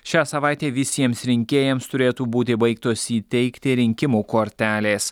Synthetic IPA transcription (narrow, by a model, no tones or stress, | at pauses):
ʃʲæːsɐʋɑˑɪt̪ʲeːʋʲɪsʲiɛmsɾʲɪŋʲkʲeːjɛmst̪ʊɾʲeːt̪uːbuːt̪ʲɪbɐɪkt̪oːsiːt̪ʲɛɪkt̪ʲɪɾʲɪŋʲkʲɪmuːkoːɾʲtt̪ʲæːlʲeːs